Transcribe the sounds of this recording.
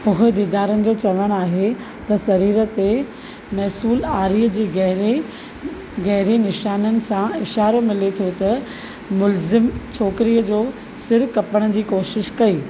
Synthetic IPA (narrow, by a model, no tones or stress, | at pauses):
ʊɦʊ̆d̪iːd̪aːɾənɪ̆d͡ʑoːt͡ɕɐʋəɽ̃aːɦe | t̪ɐsɐɾiːɾə̆t̪e | mɛːsuːlaːɾiːəd͡ʑiːɡɦɾe | ɡɛɦɪɾenɪʃaːnənɪ̆sãɪʃaːɾomɪlet̪ʰjot̪ɐ | mʊlzɪmt͡ɕʰoːkɪɾijəd͡ʑoː | sɪɾkɐpəɽ̃ə̆d͡ʑiːkoːʃɪʃkɐiː